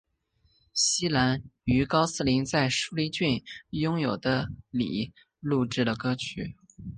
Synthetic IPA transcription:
ɕi˥la˧˥ny˧˥kɑ˥ʊsɹ̩˥˩li˧˥nt͡sa˥˧ɪʂu˥li˧˥t͡ɕy˥˩njʊ˥ŋjo˨˩ʊd̪ə˦lḭ˨˩˦ | lu˥˧ʈ͡ʂɻ̩˥˩lə˩kɤ˥t͡ɕʰy̰˨˩˦

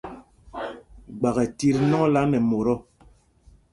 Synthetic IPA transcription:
ɡ͡ba˨ɣɛ˨ti˦ɾnɔ˦ŋ˦la˦nɛ˨mo˨ɾɔ˦

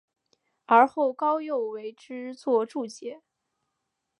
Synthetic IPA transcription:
ə˞˧˥xo˥˩ʊkɑ˥ʊjo˥˩ʊwe˧˥ɪʈ͡ʂɻ̩˥t͡swɔ˥˧ʈ͡ʂu˥˩t͡ɕjɛ˧˥˦

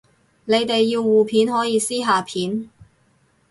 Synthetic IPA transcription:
ne˨˧jt̪e˨jːiː˧wːuː˨pʰiː˨˥nɦɔː˨˥jiː˨˧siː˥ɦaː˨pʰiː˨˥n

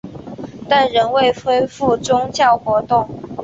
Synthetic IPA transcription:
t̪a˥˨nɻə˧˥nwe˥˨ɪxwe˥ɪfu˥˩ʈ͡ʂʊ˥ŋt͡ɕjɑ˥˩ʊxwɔ˧˥t̪ʊ˥˨ŋ

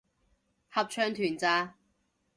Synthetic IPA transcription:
hɐ˨p̚t͡ʃʰœː˧ŋt̪ʰyː˨˩nt͡saː˧

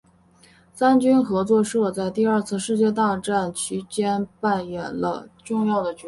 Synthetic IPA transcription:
sa˥nt͡ɕy˥nxɤ˧˥t͡swɔ˥˧ʂɤ˥˧t͡sa˥˧ɪt̪i˥˧ɐ˞˥˧t͡sʰɹ̩˥˧ʂɻ̩˥˧t͡ɕjɛ˥˧t̪a˥˧ʈ͡ʂa˥˩nt͡ɕʰy˧˥t͡ɕjɛ˥npa˥˩njɛ˨˩nlə̰˧ʈ͡ʂʊ˥˧ŋjɑ˥˩ʊd̪ə˩t͡ɕ

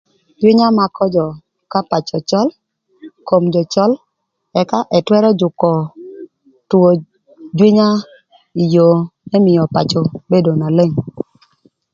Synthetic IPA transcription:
d͡ʒwɪ˦ɲa˦ma˨kʰɔ˦d͡ʒɔ˨ | ka˦pa˨t͡ʃɔ˨t͡ʃɔ˦l | ko˨md͡ʒɔ˨t͡ʃɔ˦l | ɛ˨ka˦ʔɛ˨twɛ˦ɾɔ˦d͡ʒʊ˨kɔ˨ | tu˨o˨ | d͡ʒwɪ˦ɲa˦ | i˨jo˨mɛ˦mɪ˨jɔ˨pa˨t͡ʃɔ˨be˦do˨na˨le˦˨ŋ

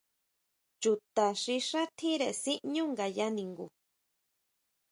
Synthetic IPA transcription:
t͡ʃu˨t̪a˨ʂĩ˧ʂa˦t̪ʰĩ˦ɾe˨˧sĩ˦ʔɲũ˦ŋɡa˨ja˦nĩ˨ŋɡṵ˨

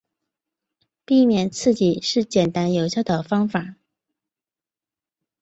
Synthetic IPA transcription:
pi˥˩mjɛ˨˩nt͡sʰɹ̩˥˩t͡ɕi˨˩ʂɻ̩˥˩t͡ɕjɛ˨˩nt̪a˥njo˨˧˥ʊɕjɑ˥˩ʊd̪ə˨˩fɑ˥ŋfa˨˩˦

